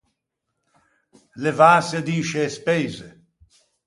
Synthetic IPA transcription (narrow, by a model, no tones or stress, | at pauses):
levaːsed̪iːʃeːspeːze